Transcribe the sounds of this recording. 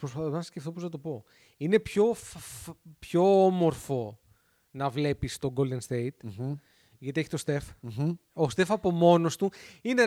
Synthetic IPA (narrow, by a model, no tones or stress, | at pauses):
pɾospɐθonɐssceft̪opoznɐt̪o̞po̞ | ine̞pço̞fpço̞omo̞ɾfo̞ | nɐvle̞pist̪o̞ɡold̪e̞nst̪e̞it̪ | ʝɐt̪ie̞çi̥t̪ost̪e̞f | ost̪e̞fɐpo̞mo̞no̞st̪uine